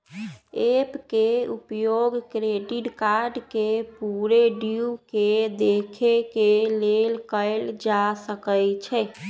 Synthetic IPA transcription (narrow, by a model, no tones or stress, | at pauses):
epkeupjoɡkɾeɖiʈkaɾɖkepuɾeɖiuked̪ekʰekelelkəɪld͡ʒasəkəjt͡ʃʰɛ